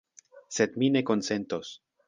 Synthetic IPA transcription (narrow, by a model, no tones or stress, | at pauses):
sed̪mine̞ko̞nsent̪os